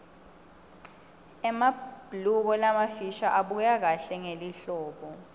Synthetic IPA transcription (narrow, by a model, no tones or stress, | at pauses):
ɛmab̥ʱluk̬ɔlamafiʃaʔaɓujak̬aɬɛŋeliɬɔːɓɔ